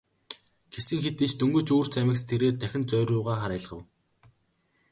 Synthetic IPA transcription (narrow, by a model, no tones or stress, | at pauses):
ɡ̥esɘ̆ŋxet̪it͡ɕt̪ʰɵŋɡɵ̆t͡ɕuːr̥t͡ɕæmʲɪ̆kst̪ʰeɾeːt̪ʰːæxʲɪ̆nt͡sœːɾʲʊːʁaːχaɾæːɮ̆χə̆w